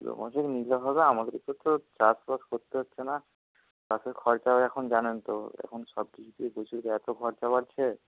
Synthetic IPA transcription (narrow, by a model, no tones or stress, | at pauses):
d̪o̰mo̰ʃekniloɦɔbeamad̪eɾip̪ot̪ot͡ɕaspaskoɾt̪eɦotːɕʰena | kaseɾkʰɔɾt͡ɕabeɾɛkʰond͡ʑanent̪oɛ̰kʰonʃɔb̚kit͡ɕʰut̪ibot͡ɕʰuɾkɛt̪okʰɔɾt͡ɕabaɾt͡ɕʰe